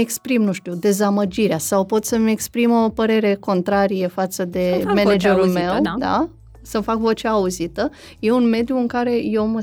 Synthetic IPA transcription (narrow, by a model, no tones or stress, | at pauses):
ekspɾimnũʃt̪iud̪e̞zaməd͡ʒiɾeasawpo̞t̪səme̞kspɾimo̞pəɾe̞ɾe̞ko̞nt̪ɾaɾijefat̪səd̪e̞mened͡ʒeɾulme̞wd̪a̰ | səmfakvo̞t͡ʃeauzit̪ə | je̞unme̞d̪juɨŋkaɾe̞je̞wmə